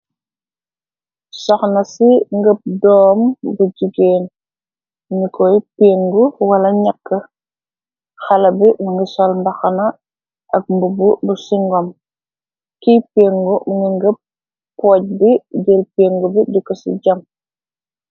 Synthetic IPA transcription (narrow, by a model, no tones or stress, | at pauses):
sɔxnɐsiŋɡəp̚dɔːmbuɟiɡeːn | ɲikɔipeːŋɡuwɐlɐɲɐkːɐ | xɐlɐbimuŋɡisɔlmbɐxɐnɐ | ʔɐk̚mbububusiŋɡɔm | kipeːŋɡumuŋɡiŋɡəp̚ː | ɔːc̚biɟelpeːŋɡubidikːɔsḭɟɐm